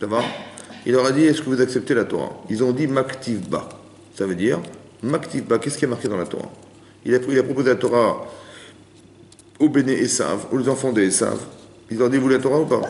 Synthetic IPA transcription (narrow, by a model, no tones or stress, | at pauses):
savailɔʁad̪iɛskəvuzaksɛp̚t̪elat̪ɔ̰ʁa̰ilzɔ̃d̪imakt̪ʰivba̰ | savød̪iːʁ | makt̪ivbakʲɛskʲiamaʁked̪ɑ̃lat̪ɔ̰ʁa̰ | ilapilapχɔpozelat̪ɔʁa | obeneʔesa̰vulezɑ̃fɑ̃d̪eesa̰v | ilzɔʁad̪ivulat̪ɔʁaupa̰